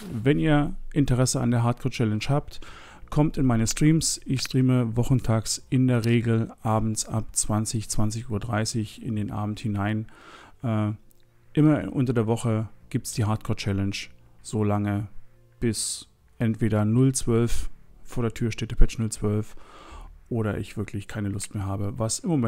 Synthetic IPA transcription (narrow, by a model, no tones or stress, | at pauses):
vɛniːɐʔɪntəʁɛsəa̰ndeːɐɦaːɐt̚kʰoːɐt͡ʃɛlɛnʃhaːpt | kʰɔmtɪnmaɪnəstʁ̥iːmsʔɪçstʁ̥iːməvɔχn̩tʰaːksʔɪndeːɐʁeːɡl̩ʔaːbm̩sʔapt͡sv̥ant͡sɪçt͡sv̥ant͡sɪçuːɐdʁaɪsɪçɪ̰ndeːnʔa̰ːbm̩thɪnaɪnʔɛː | ʔɪmɐʔʊntɐdeːɐvɔχəɡ̥iːp̚tsd̥iːɦaɐt̚kʰɔːɐt͡ʃɛlənʃ | z̥oːlaŋə | b̥ɪs | ʔɛntv̥eːɾɐnʊlt͡sv̥œlffoːɐɾeːɐtʰyːɐʃteːtəpʰɛt͡ʃnʊlt͡sv̥œlf | ʔoːɾɐ̰ʔɪ̰çv̥ɪɐkʰlɪçkʰaɪnəlʊstmeːɐɦaːbəvasɪmːomɛ